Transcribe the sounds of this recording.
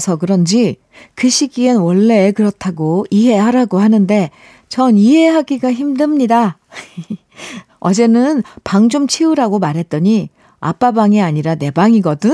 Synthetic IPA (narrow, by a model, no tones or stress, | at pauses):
sʰʌkɯɾʌnd͡ʑi | kɯɕʰiɡienwʌɭːe̞kɯɾʌtʰaɡoiɦe̞ɦaɾaɡohanɯnde̞ | t͡ɕʌniɦe̞ɦaɡiɡaçimdɯmɲida | ʌd͡ʑe̞nɯnpaŋd͡ʑomt͡ɕʰiuɾaɡomaɾɦe̞t̚t͈ʌɲi | a̰p͈abaŋiaɲiɾane̞baŋiɡʌdɯn